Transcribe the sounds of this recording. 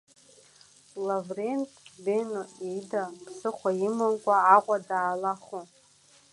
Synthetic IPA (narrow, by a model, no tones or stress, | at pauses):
lavrentʼbenoidapʰsɨχʷaimɨnkʷʼaːʁʷʼadaːlaχu